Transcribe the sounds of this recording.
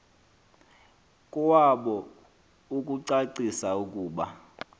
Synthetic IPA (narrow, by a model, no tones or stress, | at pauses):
kʼɔwaɓɔ | ukʼuǀaǀisaukʼuːɓa